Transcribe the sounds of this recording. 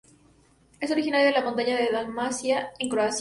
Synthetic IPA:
e̞so̞ɾixinaɾjoðelamont̪̬aɲaðe̞ðalmasjaeŋkɾoas

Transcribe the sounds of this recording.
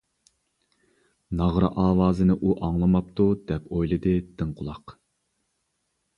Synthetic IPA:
nɑʁɾɑʔɑːwɑːzɨnɪʔuʔɑŋlˠɨmɑp̚t̪ud̪ɛpojlˠɨd̪ɨd̪̥ɨŋqʰʊlˠɑq

